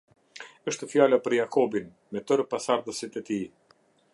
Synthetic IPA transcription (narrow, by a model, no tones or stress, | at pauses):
əʃt̪əfjalapəɾjakʰɔbin | mɛt̪əɾpasaɾd̪əsit̪ɛt̪i